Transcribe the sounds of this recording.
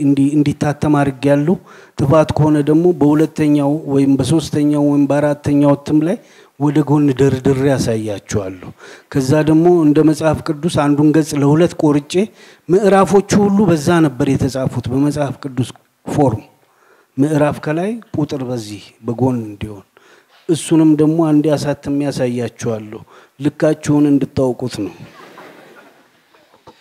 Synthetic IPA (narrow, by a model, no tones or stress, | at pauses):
ɨnd̪iɨnd̪it̪ʰːat̪ʰːəmad̪ɾɨɡjalːəht̪ʼɨfat̪kʰəho̞nəd̪əɡmo̞bəhulət̪ʰːəɲːawwɔjɪmbəso̞st̪ʰəɲːawwɔjɪmbəaɾat̪ʰːəɲːawɔt̪ʰːɨmlaj | wɔd̪əɡo̞nːɨd̪əɾɨd̪ɨɾːjasajːat͡ʃːɛwalːəhkʰəzːad̪əɡmo̞ɨnd̪əməsʼhafkʼɨd̪ːusand̪unɡəsʼləhulət̪ːkʼo̞ɾɨt͡ʃʼːe̞ | mɨʔɾafo̞t͡ʃːuhulːubəzːanəbːəɾjɛt̪ʰəsʼafut̪bəməsʼhafkʼɨd̪ːus | fo̞ɾm | mɨʔɾafkʰəlajkʼut̪ʼɨɾbəzːihbəɡo̞nɨnd̪iho̞n | ʔɨsːunɨmd̪əɡmo̞and̪ijasat̪ːɨmːjasajːat͡ʃːɛwalːəhu | lɨkːat͡ʃːɛwunɨnd̪ɨt̪ːawkʼut̪nəw